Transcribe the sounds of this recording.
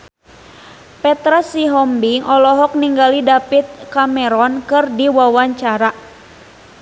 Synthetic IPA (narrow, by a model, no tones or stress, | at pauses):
pɛt̪ɾasiɦɔmbiŋʔɔlɔɦɔk̚niŋɡalidapit̪̚kamɛɾɔnkɨrdiwawaɲt͡ʃaɾa